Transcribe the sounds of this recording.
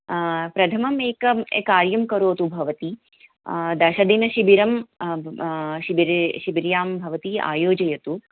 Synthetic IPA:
pɾɐt̪ʰɐmɐmeːkɐekaːɾjɐmkɐɾoːt̪ubʱɐʋɐt̪i | d̪ɐʃɐd̪inɐʃibiɾɐm | ʃiiɾʃibiɾjaːmbʱɐʋɐt̪ia̰ːjoːd͡ʒɐjɐt̪u

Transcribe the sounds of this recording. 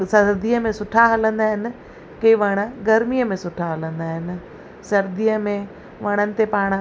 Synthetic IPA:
sɐɾd̪iːəmẽsʊʈʰaɦɐlə̃nd̪aːɦɪnɪ̆ | keiʋɐɽ̃ə̆ɡɐɾmijəmẽsʊʈʰaɦɐlə̃nd̪aːɦɪnɪ̆ | sɐɾd̪iːəmẽ | ʋɐɽ̃ənɪ̆t̪epaːɽ̃̆

